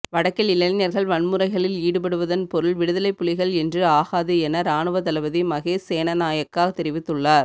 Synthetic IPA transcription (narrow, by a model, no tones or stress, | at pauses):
ʋɐɽɐkːɐlɪlɐnɪnɐɾɣɐɭʋɐɳmɯɾɐɪɣɐɭɪliːɽɯpɐɽɯʋɐðɐnpɔɾɯɭʋɪɽɯðɐlɐɪpːʊɭɪɣɐɭɛndrɯaːɣaːðɯɛnɐɾaːɳɯʋɐt̪ɐlɐʋɐðimɐɣeːeːnɐnaːjɐkːaːɣɐt̪ːɛɾɪʋɪt̪ːɯɭːaːɾ